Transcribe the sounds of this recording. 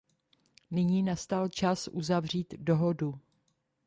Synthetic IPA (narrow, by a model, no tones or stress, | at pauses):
nɪɲiːnast̪alt͡ʃasʔuzavr̝iːt̪doɦo̞du